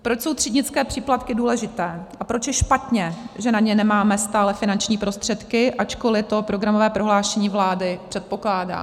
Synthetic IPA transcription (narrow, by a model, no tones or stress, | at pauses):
pɾot͡ʃso̞wt̪r̥idɲɪt͡skɛːpr̥iːplat̪kɪduːlɛʒɪt̪ɛːʔapɾot͡ʃjɛʃpat̪ɲɛʒɛnaɲɛnɛmaːmɛst̪aːlɛfɪnant͡ʃɲiːpɾo̞st̪r̥ɛt̪kɪʔat͡ʃkolɪt̪o̞pɾo̞ɡɾamovɛːpɾo̞ɦlaːʃɛɲiːvlaːdɪpr̥ɛt̪̚po̞klaːda̰ː